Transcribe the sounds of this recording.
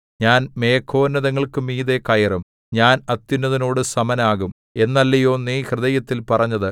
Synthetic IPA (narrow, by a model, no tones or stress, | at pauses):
ɲaːnme̞ːkʰːo̞ːnːɐðɐŋːɐɭkɨmiːðe̞kɐjɐrum | ɲaːnɐt̪ːjinːɐðino̞ːɽɨsɐmɐnaːɣum | e̞nːɐlːijo̞ːnːiːhrɨðɐjɐt̪ːilpɐrɐɲːɐðɨ